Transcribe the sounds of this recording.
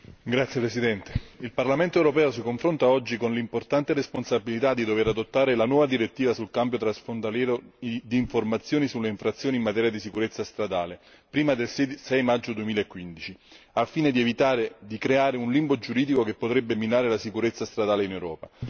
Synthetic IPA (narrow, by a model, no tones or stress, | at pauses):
ɡɾat̪sːjepɾesid̪ɛnt̪e̥ilparlament̪oɛwɾopɛːosikoɱfɾont̪aɔd͡ʒːikonlimport̪ant̪eresponsabilit̪ad̪ːid̪oveɾad̪ot̪ːaːɾelanwɔːvad̪iɾet̪ːiːvasulkambjot̪ɾasfont̪aljɛːɾoid̪iːɱformat̪sːjoːnisulːeiɱfɾat̪sːjoːnimːat̪ɛːɾjad̪isikuɾet̪sːast̪ɾad̪aːle | pɾiːmad̪elsɛsɛjmad͡ʒːod̪uemiːlaekːwind̪it͡ʃi | afːiːned̪ievit̪aːɾed̪ikɾeaːɾeunlimbod͡ʒuɾiːd̪ikokepːot̪ɾɛbːemːinaːɾelasikuɾet̪sːast̪ɾad̪aːleinewɾɔːpa